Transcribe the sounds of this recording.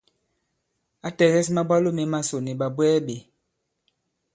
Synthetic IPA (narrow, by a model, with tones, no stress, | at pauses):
a˦tɛ˨ɣɛ˦s̬ma˦bwa˦lo˦me˨ma˦so˨ne˨ɓa˨bwɛː˦ɓe˨